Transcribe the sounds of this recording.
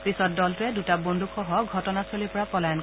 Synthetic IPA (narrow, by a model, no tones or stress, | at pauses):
pɹisɔt̚dɔltʊɛdutabondʱuxʰɔɦɔɡʱɔtɔnasolipɔɹapɔlajɔn